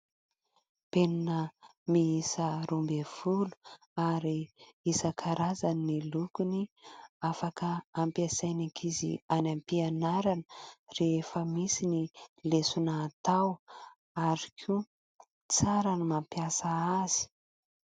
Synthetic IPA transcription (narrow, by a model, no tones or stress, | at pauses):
peninəmiisəɾumbev̥ulu̥ | aɾiisəkʰaɾazanːilukuniafakəːmpiasajnakʰizḭanampianaɾanəreefəmisinilesunaːt̪aw | aɾikʰu | t͡saɾanimampjasaaz̥i̥